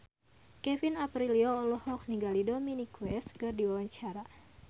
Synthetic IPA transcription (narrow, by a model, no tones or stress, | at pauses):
kɛfinapɾiliɔːlɔhɔkniŋɡalidɔminikwɛskɨrdiwawaɲt͡ʃaɾa